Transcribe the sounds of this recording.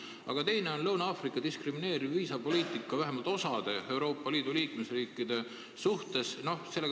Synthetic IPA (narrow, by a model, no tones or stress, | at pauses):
ʔɑ̰ɡ̥ɑt̪e̞jne̞o̞nlɤwnɑɑːfrikːˑɑd̪̥iskrimine̞ːɾiːiːsɑpo̞liːt̪ˑikˑːɑvæɦemɑlt̪ˑo̞sɑd̪̥e̞e̞wɾo̞ːpːˑɑliːd̪̥uliːkme̞sriːkːˑid̪̥e̞ | suht̪e̞sno̞hse̞lːe